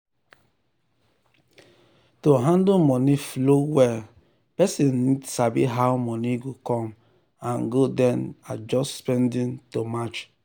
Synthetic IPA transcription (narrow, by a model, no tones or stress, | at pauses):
toɦãndomɔniflowɛ | pɛsĩnːidsabḭɦaʊmɔniɡokɔ̃m | ãnɡodɛnad͡ʒɔsspɛ̃ndĩntomat͡ʃ